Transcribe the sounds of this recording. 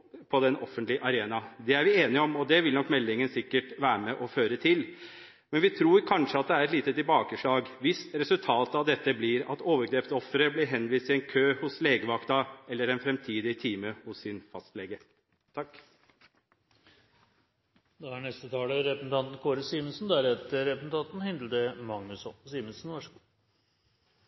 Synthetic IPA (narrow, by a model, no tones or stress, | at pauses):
pʰɔd̪ɛnɔfːənt̪lɪʔɑɾeːnɑd̪ɛæɾʋɪeːnɪɔmɔd̪ɛʋɪlnɔkːmɛlːɪŋənsɪkːəʈʋæːɾmɛʔɔføːɾət̪ʰɪl | mɛnʋɪt̪ʰɾuːɾkʰɑnʂəɑt̪̚d̪ɛæɾɛt̪liːt̪ət̪ɪlbɑːkəʂɭɑːɡʋɪst̪ɾɛsʉlt̪ʰɑːt̪ɑʋd̪ɛt̪ːəblɪɾɑ̰t̪oːʋəɾɡɾeːpt̪ɔfːəɾəblɪɾɦɛnːʋiːst̪ɪɛnkʰøːhʊsleːɡəʋɑkt̪ɑɛlːəɾɛnfɾɛmt̪ʰiːd̪ɪt̪ʰiːməhʊsːɪnfɑst̪leːɡə | t̪ʰɑkː | d̪oæɳɛst̪ət̪ʰɑːləɾɛpəsn̩t̪ʰɑnt̪n̩kʰoːɾəsiːmənsnd̪æɾɛt̪əɾɛpəsn̩t̪ʰɑnt̪n̩hɪnd̪ləd̪əmɑŋnʉsɔsiːmənsnʋɑʂəɡu